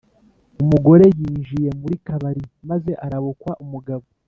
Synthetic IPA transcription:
umuɡo̞ɾe̞jiːnʒije̞muɾikaβaɾimaze̞ʔaɾaβokwaʔumuɡaβo

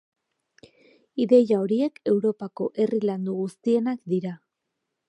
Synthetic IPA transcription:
iðe̞jao̞ɾie̞ke̞wɾo̞pako̞ʔe̞riland̪uɣust̪ie̞nakd̪iɾa

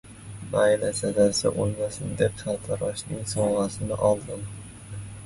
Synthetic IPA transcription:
majlasazasa̰ʔolˠmasɪnd̪epsʰalˠt̪ʰaɾɒʃnɪŋsɒʁasɪnɪʔɒlˠd̪ɪm

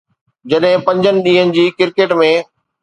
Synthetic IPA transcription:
d͡ʑɐɗɦɪ̃pɐ̃ɲd͡ʑənɪ̆ɗĩːɦənɪ̆d͡ʑiːkɪɾkeːʈmẽː

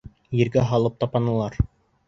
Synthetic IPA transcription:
jɘ̆ɾɡæɦɑlˠɤp̚t̪ɑpɑnɤ̆lˠɑɾ

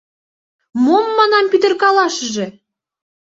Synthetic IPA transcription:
momːɑnɑmpyt̪ə̆rkɑlɑʃəʒĕ

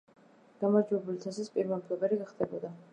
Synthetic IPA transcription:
ɡ̥amaɾd͡ʒwɛbulit̪ʰɛsispʼiɾmapʼlˠɔbɛɾiɡaχd̪ɛbɔd̪a

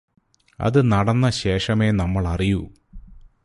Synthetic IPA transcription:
ɐ̰ðɨnɐɽɐnːɐɕe̞ːʂɐmeːnɐmːɐɭɐriju

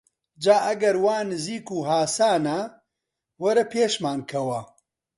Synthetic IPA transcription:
d͡ʒaːʔɐɡɐɾwaːnɨziːkuːɦaːsaːnɐ | wɐɾɐpʰeːʃmaːnkʰɐwɐ

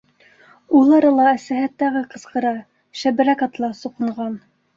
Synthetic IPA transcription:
ulˠɑɾɤlˠɑæsæhæ̆t̪ːæɣɘqɤ̆sqɤ̆ɾɑ | ʃæbɘ̆ɾækɑt̪lˠɑsuqɤ̆ɴʁɑn

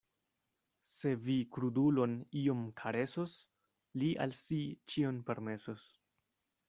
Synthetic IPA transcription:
se̞vikɾudulo̞nio̞mkʰaɾe̞sos | liʔa̰lsit͡ʃionpe̞ɾme̞sos

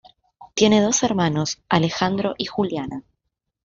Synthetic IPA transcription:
t̪je̞neðo̞seɾmanosalexand̪ɾo̞ʔixuljana

